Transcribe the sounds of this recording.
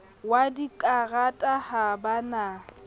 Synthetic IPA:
wadikʼaɣatʼahabana

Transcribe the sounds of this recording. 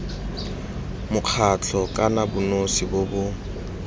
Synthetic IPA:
mʊq͡χʰat͡ɬʰɔkʼanabʊnosibobʊ

